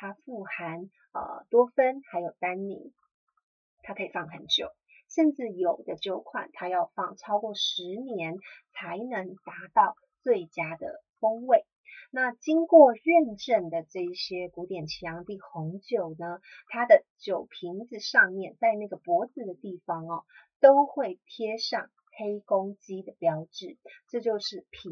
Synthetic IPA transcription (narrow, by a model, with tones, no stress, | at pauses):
t̪ʰa˥fu˥˩xa˧˥n | ə̰˧˩t̪wɔ˥fə˥nxa˧˥ɪjo˨˩ʊt̪a˥nnḭ˧˥˦n | t̪ʰa˥kʰə˧˥˨fɑ˥˩ŋxə˧˥nt͡ɕjo̰˨˩˦ʊ | ʂə˥˧nʈ͡ʂɻ̩˥˩jo˨˩ʊd̪ə˦t͡ɕjo˥˧ʊkʰwa̰˥˩nt̪ʰa˥jɑ˥˧ʊfɑ˥˧˩ŋʈ͡ʂʰɑ˥ʊkwɔ˥˩ʂɻ̩˧˥njɛ˧˥nt͡sʰa˧˥ɪnɤ˧˥ŋt̪a˧˥t̪ɑ˥˧ʊ | t͡swe˥˩ɪt͡ɕja˥d̪ə̰˨fo˥ŋwe˥˩ɪ | na˥˩t͡ɕi˥ŋkwɔ˥˧ɥɛ˥˧nʈ͡ʂə˥˩nd̪ə˩ʈ͡ʂɤ˥˧i˩ɕjɛ˥ku˧˥t̪jɛ˨˩nt͡ɕʰi˧˥jɑ˧˥ŋt̪i˥˩xʊ˧˥ŋt͡ɕjo˨˩ʊnə˦t̪ʰa˥d̪ə˨t͡ɕjo˨˩ʊpʰi˧˥ŋd͡zɹ̩˧ʂɑ˥˧ŋmjɛ˥˨nt͡sa˥˧ɪna˥˩ɡə˩pwɔ˧˥d͡zɹ̩˨˩d̪ə˩t̪i˥˩fɑ˥ŋə˩t̪o˥ʊxwe˥˩ɪt̪ʰjɛ˥ʂɑ˥˩ŋ | xe˥ɪkʊ˥ŋt͡ɕi˥d̪ə˨pjɑ˧˥ʊʈ͡ʂɻ̩˨˩˦ʈ͡ʂɤ˥˧t͡ɕjo˥˧ʊʂɻ̩˥˩pʰi˧˥